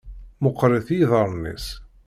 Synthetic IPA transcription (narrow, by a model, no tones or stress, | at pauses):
mʊqːɾˤɪθjðəɾˤnḭs